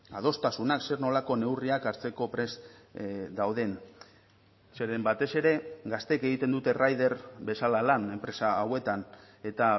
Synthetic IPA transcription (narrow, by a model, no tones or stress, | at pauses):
a̰ð̞o̞st̪asunakse̞ɾno̞lako̞ne̞wriakaɾt͡se̞ko̞pɾe̞s | d̪awðe̞n | se̞ɾe̞mbat̪e̞se̞ɾe̞ɡast̪e̞ke̞ɣit̪e̞nd̪ut̪e̞rajðe̞ɾbe̞salalane̞mpɾe̞saːwe̞t̪an | e̞t̪a